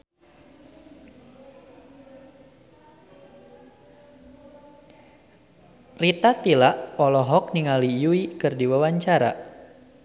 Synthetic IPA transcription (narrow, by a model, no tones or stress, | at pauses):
rit̪at̪ilaʔɔlɔɦɔk̚niŋalijuikɨrdiwawaɲt͡ʃaɾa̰